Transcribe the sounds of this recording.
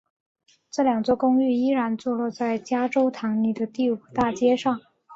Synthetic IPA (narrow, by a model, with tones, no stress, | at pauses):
ʈ͡ʂɤ˥˩ljɑ˨˩ŋt͡swɔ˥˩kʊ˥ŋy˥˩i˥ɻa˧˥nt͡swɔ˥˧lwɔ˥˧t͡sa˥˩ɪt͡ɕja˥ʈ͡ʂo˥ʊt̪ʰɑ˧˥ŋni˨˩d̪ə˦t̪i˥˩u˨˩t̪a˥˩t͡ɕjɛ˥ʂɑ˥˩ŋ